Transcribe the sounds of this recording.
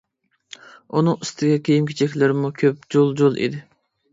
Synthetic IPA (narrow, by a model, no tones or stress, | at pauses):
unɨŋist̪ʰɪɡʲɛkʲʰejimkʲʰet͡ʃʰɛkʲlɪɾɪmukʲʰøp̚d͡ʒolˠd͡ʒolˠʔḭd̪ɪ